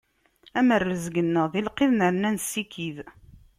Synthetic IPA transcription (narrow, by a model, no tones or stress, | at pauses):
æmərːəzɡənːəʁðilqeðnəɾnænsːikið